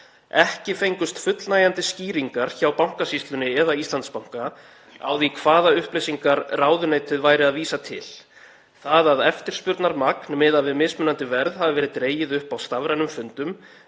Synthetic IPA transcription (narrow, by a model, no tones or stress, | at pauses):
ɛhcɪfejŋkʏst̪fʏt̪lnaːjant̪ɪsciːɾiŋkaɾ̥çaːwpawŋ̥kasist̪lʏnɪɛðaist̪lant̪spawŋ̥ka | a̰ːwðikʰv̥aːðaʏhplejsiŋkaɾraːwðʏneːjt̪ʰɪðvaːjɾɪaðviːsat̪ʰɪ̰l̥ | θaðaðɛft̪ɪɾ̥spʏɾt̪naɾmaknmɪðavɪðmɪːðsmʏnant̪ɪvɛɾðhavɪvɛːɾɪðt̪ɾeːjɪðʏhpawst̪avɾajnʏmfʏnt̪ʏm